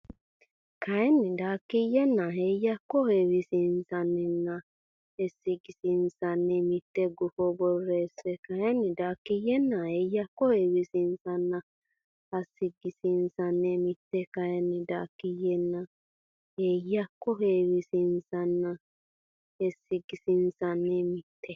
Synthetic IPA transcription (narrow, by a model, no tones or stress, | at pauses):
kajenːidakːijenːaɦejakːɔhewisinsanːɛnːa | esiɡisinsanːemit̪ːeɡufobɔrːesekajenːid̪akːijɛnːahejakːɔhewisinsanːa | hasːiɡisinsanːemit̪ːekahenːid̪akːijɛnːa | hejakːɔɦewisinsanːa | hesːiɡisinsanːemit̪ʰːɛ